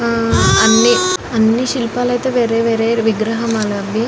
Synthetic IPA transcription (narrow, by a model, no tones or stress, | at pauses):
ɐnːiɐnːiʃilpaːlɐjt̪eʋeːɾeːʋeːɾeːɾʋiɡɾɐɦɐmaːlɐɐbʱjɐ